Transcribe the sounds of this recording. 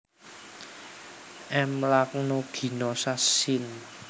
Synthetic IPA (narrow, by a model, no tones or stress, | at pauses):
ʔɛmlaknoɡ̥i̤nɔsasɪn